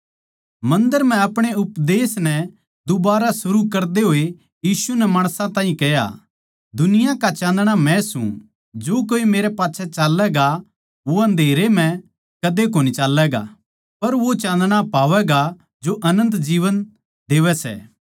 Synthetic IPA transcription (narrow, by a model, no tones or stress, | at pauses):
mɐ̃nd̪əɾm̤ɛ̃ɐpɽ̃eʊpd̪eːsnɛ | d̪ʊbaːɾasʊɾukɐɾd̪eɦoːe | jiːsunɛmaːɽ̃sãt̪ãːɦĩkɛja̰ | d̪ʊnɪjãkat͡ʃãːnd̪ɽ̃amɛ̃sṵ̃ | d͡ʒoːkoːimeːɾɛpaːtːʃʰɛt͡ʃaːlːɛɡa | ʋoɦɐ̃nd̪ʱeːɾem̤ɛ̃ | kɐd̪ek̬oːnit͡ʃaːlːɛɡa̰ | pɐɾʋot͡ʃãːnd̪ɽ̃apaːʋɛɡa | d͡ʒoʔɐnə̃nt̪d͡ʒiːʋən | d̪eːʋɛsɛ̰ː